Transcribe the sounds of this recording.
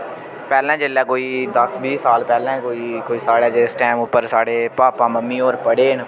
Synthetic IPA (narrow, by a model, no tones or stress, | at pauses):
pɛːlɛ̃ːd͡ʒelɛ̃ːkoːiːd̪əsbiːsaːlpɛːlɛ̃ːkoːiːkoːiːsaːɽaːd͡ʒesʈɛːmʊpːəɾsaːɽeːpaːpãːməmːiːɔːɾpəɽeːn